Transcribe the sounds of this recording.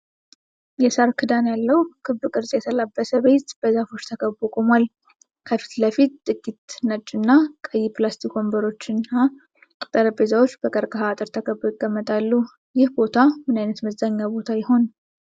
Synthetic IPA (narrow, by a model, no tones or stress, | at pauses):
jɛsaɾkʰɨd̪anjalːəwkʰɨβːɨkʼɨɾsʼjɛt̪ʰəlabːəsəβe̞t̪b̥əzafo̞t͡ʃːt̪ʰəkʰəbːokʼomwal | kʰəfi̥t̪ləfit̪t̪ʼɨɡʼːit̪nət͡ʃʼːɨnːakʼəjːiplast̪ʰikʰombəɾo̞t͡ʃːɨna | t̪ʼəɾəbezawo̞t͡ʃːb̥əkʼəɾkʼəɦaːt̪ʼɨɾt̪ʰəkʰəbːoɪɡ̥ːəmːət̪ʼalːu | jɪhbo̞t̪ʰamɨnajnət̪məzːaɲːabo̞t̪ʰajɪɦo̞n